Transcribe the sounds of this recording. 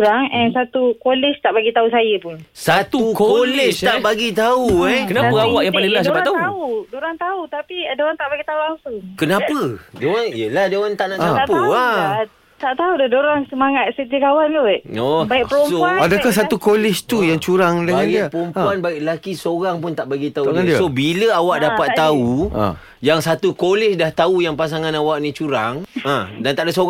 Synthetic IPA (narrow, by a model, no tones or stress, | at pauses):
ɾaŋɛnsat̪ukolɪst̪aʔbaɡit̪ausajəpʊnsat̪ukolɛt̪aʔbaɡit̪auɛkənaəawakjãpalilad͡ʒapaaaudoɾaŋt̪aut̪apiadoɾant̪aʔbaɡit̪aulaŋsuŋkənapədewanijəlahdewant̪aʔnaʔt͡ʃaapua | t̪aʔt̪audadoɾaŋsəmaŋat̪̚sət̪ikawanoɔbaikpəosoadakahsat̪ukolɪst̪ujaŋt͡ʃuɾaŋdəbaɡiipəompuanbaɪʔlakisoɾaŋpʊnt̪aʔbaɡit̪aunsobiləawaʔ̚dapat̪ːaṵ | jaŋsat̪ukolɪsdaht̪aujaŋpas̬aŋãnawaʔnĩt͡ʃuɾaŋãdant̪aʔdəso